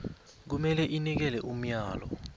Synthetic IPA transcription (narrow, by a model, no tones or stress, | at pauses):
k̬umɛlɛʔinik̬ɛlɛʔum̩jaːlɔ̰